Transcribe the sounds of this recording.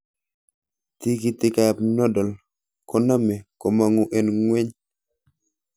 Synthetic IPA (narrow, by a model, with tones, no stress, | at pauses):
ti˦ki˦tɪ˦ka˦a˨p̚nɔ˦dɔ˨l | kɔ˨na˦mɛ˨kɔ˨ma˨ŋu˨ʔe˨nŋwe˦ɲ